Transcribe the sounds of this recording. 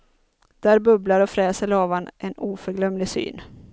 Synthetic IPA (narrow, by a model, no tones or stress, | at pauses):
d̪̥æːɾbɵblaɾɔfɾɛːsəɭɑːvanʔɛnuːfœɾɡlœmlɪsy̰ːn